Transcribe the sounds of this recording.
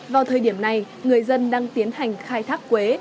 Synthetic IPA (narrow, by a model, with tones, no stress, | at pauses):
vaː˨˩wt̪ʰəː˨˩jɗi˧˩əmna˨˩j | ŋɨ˨˩əjzə˧nɗaː˧ŋt̪i˨˦ənha˨˩jŋ̟xaː˧jt̪ʰaː˦˥k̚kwe˨˦